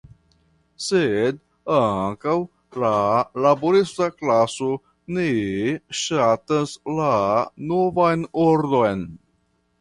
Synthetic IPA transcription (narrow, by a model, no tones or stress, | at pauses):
sed | aŋkaw | lalaboɾistaklaso | neʃataslanovajnoɾdojn